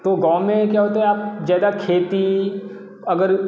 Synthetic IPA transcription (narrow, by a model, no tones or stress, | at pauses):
t̪oɡãːmẽkjaːɦoːt̪aɦɛaːp̚d͡ʒaːjd̪akʰeːt̪i | ɐɡəɾ